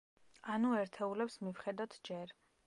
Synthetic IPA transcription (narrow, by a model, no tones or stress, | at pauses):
anuɛɾt̪ʰɛulɛpsmivχɛd̪at̪ʰd͡ʒɛɾ